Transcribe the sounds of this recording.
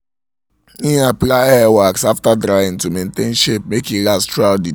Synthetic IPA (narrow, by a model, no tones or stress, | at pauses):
nĩɦaplaɛawaksaftadɾaj̃n̩tumenten̩ʃep̚mekilastɾaʊdi